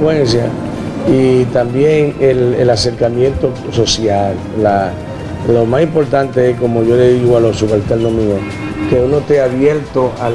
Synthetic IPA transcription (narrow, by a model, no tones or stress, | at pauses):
wensja | it̪ambjeŋelḛlase̞ɾkamjẽ̞nt̪o̞ | so̞sjalːa | lomasimpo̞ɾt̪ant̪eeko̞mo̞ʝo̞le̞ðiɣoalosuɣalt̪elnomĩo | ke̞unot̪eaβjeɾt̪oʔa